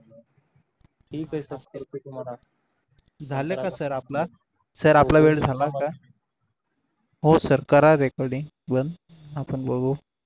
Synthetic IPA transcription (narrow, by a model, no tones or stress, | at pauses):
ʈʰiːkajsəəɾma | d͡zʱaləkasəɾapla | səɾaplaʋeɽd͡zʱalaka | ɦosəɾkaɾaɾekɔɾɽiŋɡ | bənd̪ | apəɳbəɡo